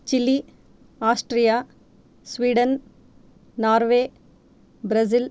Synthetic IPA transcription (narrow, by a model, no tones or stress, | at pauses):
t͡ʃilːi | aːsʈɾija | sʋiːɖɐn | naːɾʋeː | bɾɐzil